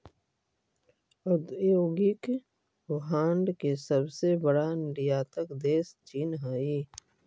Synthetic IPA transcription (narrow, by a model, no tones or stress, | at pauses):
ʊd̪joːɡɪk | ʋɦãːɳɖkesəbsebəɽanɪɖijaːt̪əkd̪eːst͡ʃiːnɦaːiː